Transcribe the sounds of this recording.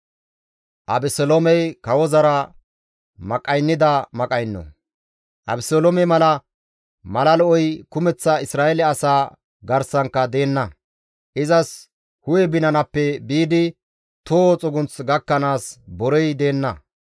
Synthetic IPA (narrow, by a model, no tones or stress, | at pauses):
ʔɐbɛsɔlomɛjkɐwɔzɐɾɐ | mɐkʼɐjnːɪd̪ɐmɐkʼɐjnːɔ̰ | ʔɐ̰bɪsolomɛmɐlɐ | mɐlɐlɔʔɔjkʊmɛt͡sːɐɪsɾaːɛlɛɐsaː | ɡɐɾsɐŋkːɐd̪e̞ːnːɐ | ʔɪzɐs | hʊjɛbɪnɐnɐpːɛbiːd̪ɪ | t̪oːt͡sʼɔɡʊnt͡sɡɐkːɐnaːsbɔɾɛjd̪e̞ːnːɐ